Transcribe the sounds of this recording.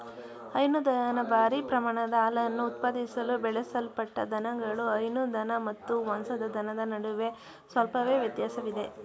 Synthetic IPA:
ɐjnud̪ɐnɐnɐbaːɾipɾɐmaːɳɐd̪ɐaːlɐjɐnːuːt̪̚paːd̪isɐlubɛɭɛsɐlpɐʈːɐd̪ʱɐnɐŋɡɐɭuɐjnud̪ʱɐnɐmɐt̪ːuʋɐnsɐd̪ɐd̪ʱɐnɐd̪ɐnɐɽuʋe̞ | sʋɐlpɐʋe̞ːʋjɐt̪jaːsɐʋid̪e̞

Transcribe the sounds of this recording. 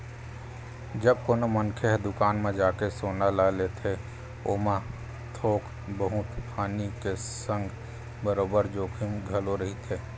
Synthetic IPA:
d͡ʒəb̚koːnomənkʰeɦd̪ʊkaːnmẽd͡ʒaːkesoːnalalet̪ʰe | oːma | t̪ʰoːk | bəɦʊt̪pʰaːnikesə̃ŋɡ | bəɾoːbəɾd͡ʒoːkʰimɡʱəloɾəɦit̪ʰeː

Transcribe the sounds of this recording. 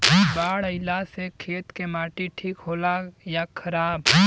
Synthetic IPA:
baːɽɐɪlasekʰeːt̪kemaːʈiʈʰiːkɦoːlajakʰɐɾaːb

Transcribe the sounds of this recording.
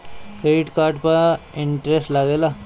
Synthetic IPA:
keʈkaːɾʈpəɪɳʈɾesʈlɐɡeːlaː

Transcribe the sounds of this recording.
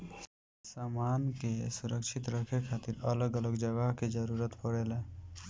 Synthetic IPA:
saːmaːnkesuɾəkʃʰit̪ɾəkʰekʰaːt̪iɾələɡələɡd͡ʒəɡaɦked͡ʒəɾuɾət̪pəɽele

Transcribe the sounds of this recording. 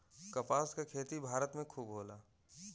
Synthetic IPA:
kɐpaːskakʰeːt̪ibʱaːɾət̪mẽkʰuːbɦoːlaː

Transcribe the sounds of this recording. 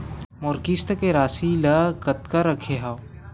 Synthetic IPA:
mʊɾkist̪keɾaːsilakət̪kaɾəkʰeɦa

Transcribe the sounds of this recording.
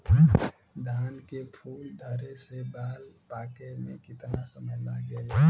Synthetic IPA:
d̪ʱaːnkepʰuːld̪ʱəɾesebaːlpaːkemḛ̃kɪt̪nasəməɦlaɡə

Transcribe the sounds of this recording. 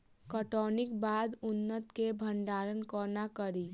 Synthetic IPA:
kəʈɔːnɪk̚baːd̪ʊnːət̪kebʱə̃ɳɖaːɾənkɔːnakəɾiː

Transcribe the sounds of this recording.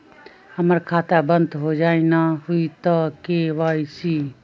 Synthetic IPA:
həməɾkʰaːt̪abənd̪ɦod͡ʒaːinaɦuit̪əkeʋaːisi

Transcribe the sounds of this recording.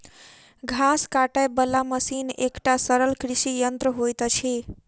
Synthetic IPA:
ɡʱaskaʈəjbəlːaməsinekʈasəɾəlkɾisijənt̪ɾəɦojt̪t͡ʃʰi

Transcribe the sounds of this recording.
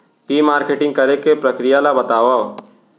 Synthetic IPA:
kimaːɾkeːʈɪ̃ŋɡ̚kɐɾekepɾɐkɾɪjalabɐt̪aːʋa

